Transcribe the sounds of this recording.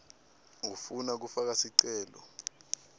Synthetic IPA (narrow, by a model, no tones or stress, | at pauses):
ufunak̬ufak̬asiǀɛːlɔ̰